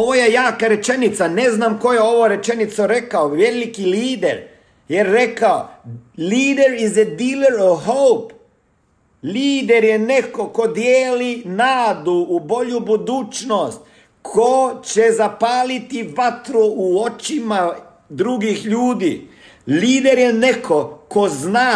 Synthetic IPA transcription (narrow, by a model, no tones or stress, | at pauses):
oʋojejaːkaɾe̞t͡ʃenit̪saneznamko̞jeo̞ʋoɾe̞t͡ʃenit̪soɾekaoʋelikiliːd̪eɾ | jeɾːekaoliːd̪eɾized̪ileɾoʋhowp | liːd̪eɾjenekoko̞d̪jeːlinaːd̪uːbo̞ʎubud̪uːt͡ʃnost̪̚ | kʰot͡ɕezapaːlit̪iʋat̪ɾuuo̞t͡ʃima | d̪ɾuɡixʎuːd̪ḭː | liːd̪eɾjenekʰoko̞znaː